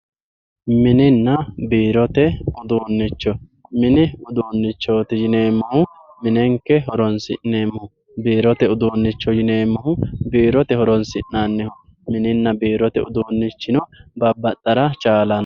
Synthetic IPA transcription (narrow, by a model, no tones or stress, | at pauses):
mɪnɪnːɐbiːɾɔt̪ɛʊd̪uːnːɪt͡ʃːɔ | mɪnɪʊd̪uːnːɪt͡ʃːoːt̪ɪjɪneːmːɐhʊ | mɪnɛŋkːɛɦɔɾɔnsɪ̰nːeːmːɔhʊ | biːɾɔt̪ɛʊd̪uːnːɪt͡ʃːɔjɪneːmːɐhʊbiːɾɔt̪ɛhɔɾɔnsɪnːanːɛhʊ | mɪnɪnːɐbiːɾɔt̪ɛʊd̪uːnːɪt͡ʃːɪnɔbɐbːɐt̪ʼːɐɾɐt͡ʃʼaːlɐn